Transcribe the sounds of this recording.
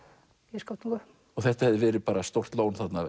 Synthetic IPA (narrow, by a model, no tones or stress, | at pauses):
jɛskawt̪nĩŋka | ɔθɛht̪ahɛvðɪvɛːɾɪpaːɾast̪owr̥t̪loːwnθat̪na